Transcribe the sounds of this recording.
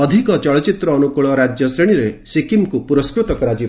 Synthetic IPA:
ɔd̪ʱikɔt͡ʃɔɭɔt͡ʃit̪ɾɔːnukuɭɔɾad͡ʒjɔsɾeɽ̃iɾesikimkupuɾɔskɾut̪ɔkɔɾad͡ʒi

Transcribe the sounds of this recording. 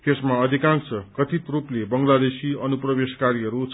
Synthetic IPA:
t̪esmaʌd̪ʱikãŋsʌkʌt̪ʰit̪ruplebʌŋlad̪esiʌnuprʌbeskaɾiɦʌɾut͡sʰ

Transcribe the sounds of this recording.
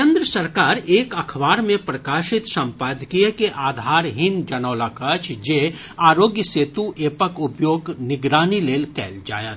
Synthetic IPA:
ẽnd̪ɾəsɐɾkaːɾeːkɐkʰʋaːɾmẽpɾəkaːʃɪt̪sɐ̃mpaːd̪ʱkijekeʔaːd̪ʱaːɾɦɪnd͡ʒɐnaːlakɐt͡ʃʰd͡ʒeː | aːɾoːɡjəseːt̪uʔeːpəkʊpjoːɡnɪɡɾaːnileːlkɛːld͡ʒa̰ːjət̪

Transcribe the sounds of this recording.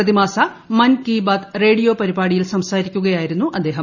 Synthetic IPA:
ɐðimaːsɐ | mɐnkiːbaːt̪re̞ːɽijo̞ːpɐɾibaːɽijilsɐmsaːɾikʲːuɣɐjaːjiɾunːuʔɐd̪ːe̞ːɦɐ

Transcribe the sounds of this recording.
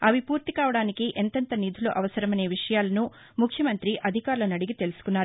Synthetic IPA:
ɐʋipuːɾt̪ikaːʋɐɽaːnikiʔent̪ɐnt̪ɐnid̪ʱilo̞̰ːʔɐʋɐsɐɾɐmɐne̞ːʋiʂɐjaːlɐnu | mukʰjɐmɐnt̪ɾiʔɐd̪ʱikaːɾulɐnɐɽiɡit̪e̞lusu̥kunːaːɾ

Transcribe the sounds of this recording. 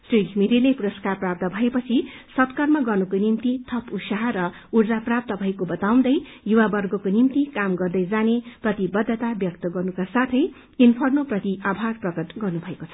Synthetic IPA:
srikʰmiɾilepuɾʌskarprap̚t̪ʌbʱʌepʌt͡sʰisʌt̪kʌrmaɡʌrnukonimt̪it̪ʰʌpusaɦʌɾʌ | urd͡zaprap̚t̪ʌbʱʌĩkobʌt̪aw̃d̪ʌj | juwabʌrɡʌkonimt̪ikamɡʌrd̪ʌjd͡zaneprʌt̪ibʌd̪ːʌt̪abjʌkt̪ʌɡʌrnukasat̪ʰʌj | inpʰʌrnoprʌt̪iʔabʱarprʌkʌt̪ɡʌrnubʱʌekot͡sʰʌ

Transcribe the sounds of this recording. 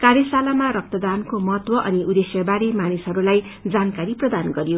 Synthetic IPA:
kaɾjʌsalamaɾʌk̚t̪ʌd̪ankomʌɦʌt̪wʌʔʌniʔud̪esjʌbaɾemanisɦʌɾulaj | d͡zankaɾiprʌd̪anɡʌɾjo

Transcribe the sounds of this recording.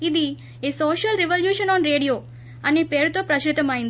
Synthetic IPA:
id̪i | esoːʃɐlɾeʋɐljuːʃɐnɔːnɾeːɖijoː | ɐneːpeːɾut̪oːpɾɐt͡ʃɾit̪ɐmɐːjind̪i

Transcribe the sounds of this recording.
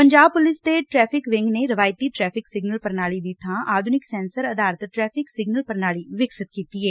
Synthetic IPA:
pəɲd͡ʒaːb̚pʊlɪst̪eʈɾɛːpʰɪkʋɪ̃ŋɡneɾəʋaːjt̪iːʈɾɛːpʰɪksɪɡnəlpəɾnaːlid̪ɪt̪ʰãːaːd̪ʱʊnɪksɛːnsəɾəd̪aːɾət̪ʈɾɛːpʰɪksɪɡnəlpəɾnaːliːʋɪksɪt̪kiːt̪iːɛː

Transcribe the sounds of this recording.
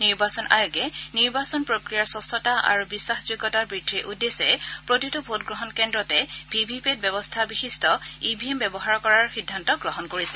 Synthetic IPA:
niɹbasɔna̰juɡɛniɹbasɔnpɹokɹijaɹsɔsɔtaʔa̰ɹubisːaxzojɡɔtaɹbɹidʰʱːiʔudːesɛpɹotitubʱotɡɹɔɦɔnkɛndɹɔtɛb̥ʱibʱipet̚bɛbɔstʰabixistʰɔibʱiɛmbɛbɔɦaɹkɔɹaɹxidʱːantɔɡɹɔɦɔnkoɹisɛ̥

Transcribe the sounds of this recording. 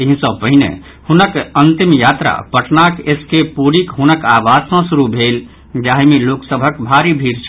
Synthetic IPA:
eɦĩsə̃pəɦinḛ | hunəkənt̪imjat̪ɾa̰pəʈnakeskepuɾikɦunəkaʋad͡ʒsɔ̃suɾubʱel | d͡ʒaɦmeloksəbʱəkbʱaɾibʱiɾt͡ʃʰ

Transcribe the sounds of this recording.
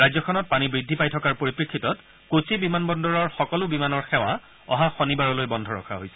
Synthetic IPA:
ɹajzɔkʰɔnɔt̚panibɹidʱːipajtʰɔkaɹpoɹipɹikʰːitɔt | kosibimanbɔndɔɹɔɹxɔkɔlʊbimanɔɹxɛw̃a | ɔ̰ɦaxonibaɹɔlojbɔndʱɔɹɔ̰kʰa̰ɦojsɛ̥

